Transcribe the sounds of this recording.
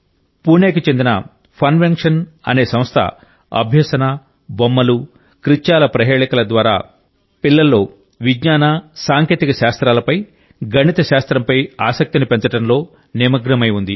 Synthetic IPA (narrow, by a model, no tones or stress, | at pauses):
puːneːkit͡ʃe̞nd̪inɐ̰ | pʰɐnʋeŋkʂɐnɐ̰ne̞ːsɐmst̪ʰɐ̰ | ɐ̰bʱjɐsɐna | bomːɐlu | kɾit͡ʃːaːlɐpɾɐɦeːɭɐkɐlɐd̪ʋaːɾa̰ː | pilːɐlːo̞ː | ʋiɡɲaːnasaːŋkjeːt̪ikɐʃaːst̪ɾaːlɐpɐj | ɡɐɳit̪ɐʃaːst̪ɾɐmpɐjaːsɐk̚t̪inipent͡ʃɐʈɐnlo̞ː | nimɐɡɾɐmɐjund̪i